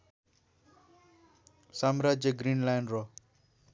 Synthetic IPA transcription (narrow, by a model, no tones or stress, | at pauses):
samrʌd͡zjʌɡrinlajnro